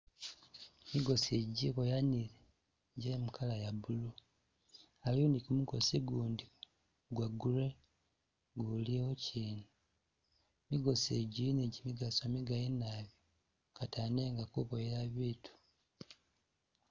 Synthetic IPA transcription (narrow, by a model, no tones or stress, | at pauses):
miɡo̞seɟiβojaniɾe | ɟemukʰalajabulu | alondikumukosiɡuːndi | ɡwaɡuɾe | ɡuliwociːna | miɡo̞seɟiineɟimiɡasomiɡajinaβi | kataneːŋɡakuβojeɾaβiːtʰu̥